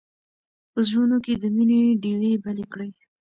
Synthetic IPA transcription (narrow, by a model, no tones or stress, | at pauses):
pəzɽunoked̪əmineɖewebalekɽəj